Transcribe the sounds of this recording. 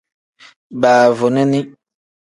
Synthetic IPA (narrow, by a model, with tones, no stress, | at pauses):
baː˨vo˨nɛ̃˦nĩ˦